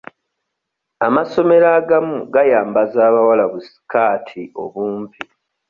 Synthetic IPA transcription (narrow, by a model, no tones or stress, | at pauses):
amaso̞me̞ɾaːɡamuɡajaːmbazaːβawalaβusi̥kaːtʰio̞̰βuːmpʰi